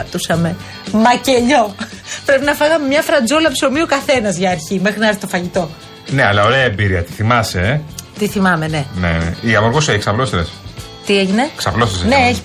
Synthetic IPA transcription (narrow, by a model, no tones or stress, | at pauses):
ɐt̪usɐme̞ | mɐce̞ʎo̞ | pɾe̞pinɐfɐɣɐmemɲɐfɾɐnd͡zolɐpso̞miukɐθe̞nɐzʝɐːɾçime̞xɾinɾθt̪ofɐʝit̪o̞ | ne̞ɐlɐo̞ɾeɐembiɾiɐt̪i̥θimɐset̪iθimɐme̞ne̞nḛiɐmoɾɣoseiksɐplost̪es | t̪ieʝine̞ksɐplost̪esneeçi